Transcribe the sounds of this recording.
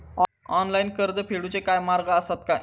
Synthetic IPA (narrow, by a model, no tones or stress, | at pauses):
ɔnlainkəɾd̪əpʰeɽut͡ɕekajmaɾɡəəst̪at̪kaj